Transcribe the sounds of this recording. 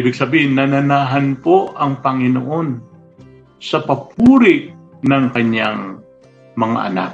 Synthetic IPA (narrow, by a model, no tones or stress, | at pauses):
ibɪɡ̚sɐbiːhɪnːɐnɐnaːɦɐnpoʔɐŋpɐŋɪno̰ʔo̞n | sɐpɐpʰuːɾɪʔnɐŋkɐɲaŋ | mɐŋa̰ʔɐ̰na̰k